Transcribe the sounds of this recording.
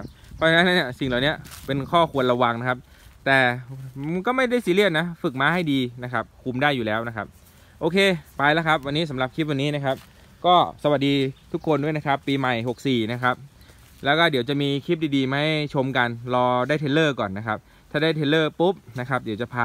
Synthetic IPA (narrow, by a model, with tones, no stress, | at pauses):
kʰa˦˥p̚pʰːɔ˦˥t͡ɕa˧na˦˥nːa˦˥nːi˥˩si˨˩ŋlaː˨˩wni˦˥ɐpe˧nkʰɔː˥˩kʰu˧ənɾa˧wa˧ŋna˦˥kʰa˦˥p̚ | t̪ɛː˨˩˧ | kɔː˥˩ma˥˩jda˥˩jsiː˧˦li˥˩na˦˥fɯ˨˩k̚maː˧˥ha˥˩jdiː˧na˦˥kʰa˦˥p̚kʰu˧mdaː˥˩jːuː˨˩lɛː˦˥wna˦˥kʰa˦˥p̚ | ʔoː˧kʰeː˧pa˧jla˦˥kʰa˦˥p̚wa˧nːiː˦˥sa˩˦mla˨˩p̚kʰi˦˥p̚wa˧nːiː˦˥na˦˥kʰa˦˥p̚ | kɔː˥˩sa˧wa˨˩t̚diː˧t̪ʰu˦˥kʰːo˧ndu˥˩jna˦˥kʰa˦˥pːiː˧ma˨˩jɦo˨˩k̚siː˨˩na˦˥kʰa˦˥p̚ | lɛː˦˥wkɔː˥˩di˩˦wt͡ɕa˨˩ʔmiː˧kʰi˦˥p̚diː˧diː˧ma˧˥ha˥˩jt͡ɕʰo˧mka˧nlɔː˧daː˥˩t̪ʰeː˧˥lɤː˥˩kɔː˨˩nːa˦˥kʰa˦˥p̚ | t̪ʰaː˥˩daː˥˩jt̪ʰeː˧˥lɤː˥˩pu˦˥p̚na˦˥kʰa˦˥p̚di˩˦wt͡ɕa˨˩pʰaː˧˩